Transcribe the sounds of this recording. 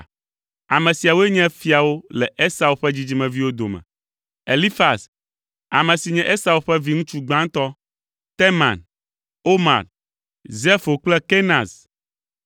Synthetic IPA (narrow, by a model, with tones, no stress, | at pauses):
a˨mɛ̃˨si˨a˨wo˦e˦ɲɛ̃˦fi˦a˨wo˦lɛ˨ʔe˦sa˨wo˨ɸɛ˦d͡ʑi˦d͡ʑi˦mɛ̃˨vi˦wo˦d̪o̰˨mɛ̰̃˨ | e˨li˦fa˨s | a̰˨mɛ̃˨si˨ɲɛ̃˦ʔe˦sa˨wo˨ɸɛ˦vi˦ŋũ˦t͡ʃu˦ɡ͡bã˦ŋt̪ɔ˦ | t̪e˦mã̰˨n | o˦ma̰˨ɾ | ze˦fo˨k͡plɛ˦ke˦nã˨z